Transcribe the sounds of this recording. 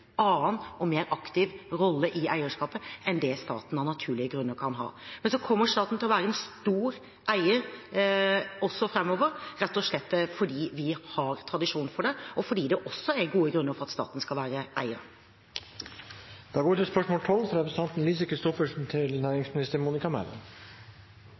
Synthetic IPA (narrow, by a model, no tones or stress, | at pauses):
ɑːnɔmeːɾɑkt̪ɪʋɾɔlːəʔɪʔæɪəʂkɑːpəɛnd̪ɛst̪ɑ̰ːt̪n̩ɑnɑt̪ʰʉːɭɪəɡɾʉnːəɾkʰɑnɦɑ̰ːmɛnsɔkʰɔmːəɾʂt̪ɑːt̪n̩t̪ɪlɔʋæːɾəɛnst̪uːɾ | æɪə | ɔsːɔfɾɛmːɔʋəɾɾɛt̪ːɔʂɭɛt̪ːfɔɖiːʋɪhɑɾt̪ʰɾɑd̪ɪʂuːnfɔɖɛɔfɔɖiːd̪ɛʔɔsːɔɛɾɡuːəɡɾʉnːəɾfɔɾɑt̪st̪ɑ̰ːt̪n̩skɑlʋæːɾəʔæɪəɾ | d̪̥ɑːɡoːɪʈ̪ɪlspœʂmoːlt̪ʰɔlfɑɾɛpɾəst̪ɑnt̪n̩liːs̬əkʰɾɪst̪ɔfəʂn̩t̪ʰɪlnæːɾɪŋsmɪnɪst̪əɾmuːnɪkɑmæ̰lə̰n